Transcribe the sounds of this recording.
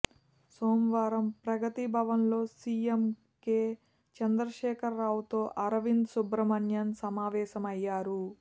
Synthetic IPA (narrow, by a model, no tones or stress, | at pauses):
soːmʋaːɾɐmpɾɐɡɐt̪ibʱɐʋɐnlo̞ːsiːem | keː | t͡ʃɐnd̪ɾɐʃɛːkʰɐɾːaːʋut̪o̞ːʔɐɾɐʋind̪subɾɐmɐnjɐnsɐmaːʋɛːʃɐmɐjːaːɾu